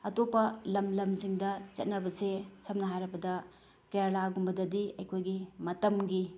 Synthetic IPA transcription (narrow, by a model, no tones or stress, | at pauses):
ɐtopɐlɐmlɐmziŋdɐt͡ʃɐ̰t̚nɐbɐsesɐp̚nɐɦajɾɐbɐdɐ | kɾaɾlaɡumbɐdɐdiɐ̰jkʰojɡimɐtɐmɡi